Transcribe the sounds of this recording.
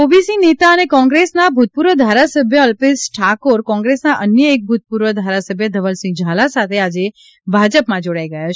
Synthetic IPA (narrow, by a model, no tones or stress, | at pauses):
obisinet̪aənekɔ̃ŋɡɾesnabʱut̪̚puɾʋəd̪ʱaɾasəbʱjəəlpesʈʰakoɾkɔ̃ŋɡɾesnaʔənjəek̚bʱut̪̚puɾʋəd̪ʱaɾasəbʱjəd̪ʱəʋəlsĩd͡ʒʱalasat̪ʰead͡ʒe | bʱad͡ʒəpmãd͡ʒoɽajɡəja